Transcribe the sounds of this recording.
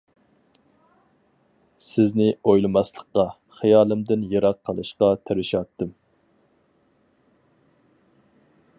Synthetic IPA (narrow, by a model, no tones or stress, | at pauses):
sɪznɪojlˠɨmɑslˠəχqɑ | χijɑːlˠɨmd̪ɪnjeɾɑqʰːəlˠɨʃqɑt̪ʰæɾɪʃɑt̪ːɨm